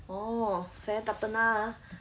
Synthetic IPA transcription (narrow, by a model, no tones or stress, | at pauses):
ɔsajat̪apəna